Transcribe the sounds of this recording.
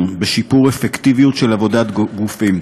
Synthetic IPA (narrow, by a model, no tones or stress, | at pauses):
beʃipuʁefekt̪ivijutʃelavo̞d̪at̪ɡufim